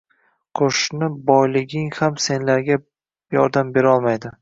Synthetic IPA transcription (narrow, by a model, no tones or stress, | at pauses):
qʰoʃnɪbɒjlɪɡʲɪŋhamse̞nlaɾɡʲa | jɒ̰ɾd̪ambe̞ɾɒlˠmajd̪ɪ